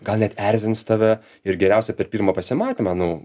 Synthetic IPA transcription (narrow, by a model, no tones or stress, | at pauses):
ɡɐlˠnʲɛt̪ɛɾʲzʲɪnst̪ɑʋʲɛ | ɪɾɡʲɛɾʲɛʊsʲɛpʲɛrpʲiːrmɐpɐsʲɪmɑːt̪ʲɪmɑnʊ